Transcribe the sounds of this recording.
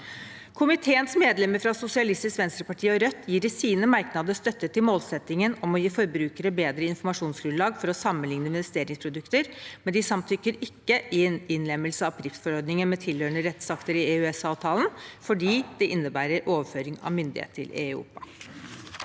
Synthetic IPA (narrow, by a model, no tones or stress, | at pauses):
kʰʊmɪt̪ʰeːənsmeːd̪lɛməɾfɾɑsʊsɪɑlɪst̪ɪskʋɛnst̪ɾəpɑʈʰiːɔɾœt̪ʰːjiːɾəsiːnəmɑɾknɑd̪əst̪œt̪ːət̪ʰːɪlmoːlsɛt̪ːɪŋənɔmɔjiːfɔɾbɾʉːkəɾəbeːd̪ɾəɪnfɔɾmɑʂuːnsɡɾʉnlɑːɡfɔɾɔsɑmːənlɪŋnəɪnʋɛst̪eːɾɪŋspʰɾʊd̪ʉkt̪əɾmɛnd̪ɪsɑmt̪ʰʏkːəɾɪkːəʔɪɪnlɛmːəlsəɑʋpʰɾɪft̪fɔɾɔɾd̪nɪŋənmɛt̪ʰɪlhøːəɳəɾɛt̪sɑkt̪əɾɪeʉɛsɑːʋt̪ʰɑːln̩fɔɖiːd̪̥ɛʔɪnːəbæːɾəɾʔoːʋəføːɾɪŋɑ̰ʋmʏnd̪ɪ̰hḛːt̪ʰɪ̰lʔḛṵːpɑ